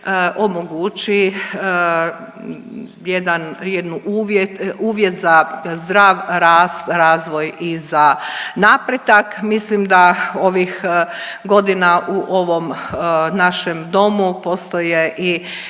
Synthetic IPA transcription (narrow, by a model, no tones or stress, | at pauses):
ʔo̞moɡut͡ʃi | jed̪anjed̪nuʔuːʋjet̪uːʋje̞t̪zazd̪ɾaːʋɾaːst̪ɾaːzʋo̞jizanapɾet̪akmislimd̪ao̞ʋixɡo̞d̪inaʔuʔo̞ʋo̞mnaʃemd̪o̞mupo̞st̪ojeʔi